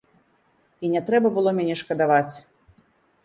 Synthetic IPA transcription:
inʲɛt̪ɾɛbɐbɨlˠɔmʲanʲɛʂkɐd̪avat͡sʲ

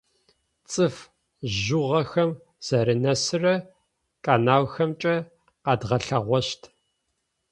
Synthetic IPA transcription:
t͡sʼɨf | ʒuʁɐxɐm | z̥ɐɾɨnɐsɨrɐ | kʼaːnaːwxɐmt͡ʃʼɐ | aːdʁɐɬɐʁʷɔʃtʰ

